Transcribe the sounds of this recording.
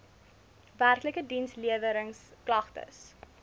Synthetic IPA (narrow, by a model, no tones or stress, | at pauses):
værkləkədinsliəvəɾəŋsklɐχtə̰s